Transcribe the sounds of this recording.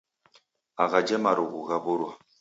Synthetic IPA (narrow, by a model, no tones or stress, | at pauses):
aɣad͡ʒɛmaɾoɡuɡaboɾwa